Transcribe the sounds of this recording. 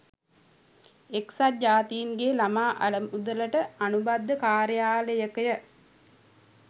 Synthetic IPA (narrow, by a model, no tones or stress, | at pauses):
eksat̚d͡ʒaːt̪ijinɡelamaːʔa̰ləmud̪ələʈəanubad̪ːəkaːɾjaːləjəkəjə